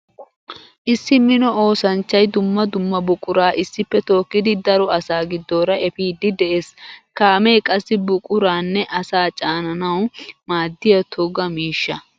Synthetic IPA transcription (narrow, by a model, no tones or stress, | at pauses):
ʔɪsːɪmɪnɔo̞ːsɐnt͡ʃːɐjd̪ʊmːɐd̪ʊmːɐbʊkʼʊɾaːʔɪsːɪpːɛt̪o̞ːkːɪd̪ɪd̪ɐɾɔɐsaːɡɪd̪ːoːɾɐʔɛfiːd̪ːɪd̪ɛʔe̞ːskaːmejkʼɐsːɪbʊkʼʊɾaːnːɛʔɐsaːt͡ʃʼaːnɐnɐwmaːd̪ːɪjɐt̪ʰɔɡɐmiːʃːɐ